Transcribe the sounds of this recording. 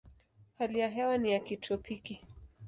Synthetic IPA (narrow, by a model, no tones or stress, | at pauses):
halijaɦɛwanijakitʰɔpʰiki